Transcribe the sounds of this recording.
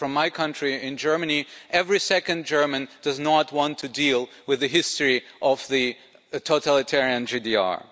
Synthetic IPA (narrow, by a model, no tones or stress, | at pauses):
fɹʌ̃mːaɪkʰʌ̃ntɹ̥iɪ̃nd͡ʒɜ˞mɨniʔɛvɹisɛkɨ̃nd͡ʒɜ˞mɨ̃nd̥ʌznət̚wɑ̃ntʰɨdilˠ | wɨðɨɦɪstɹ̥iʔʌvðɨ | tʰoʊtʰælˠɨtʰɛɹiɨ̃nd͡ʒidiɑ̰ɹ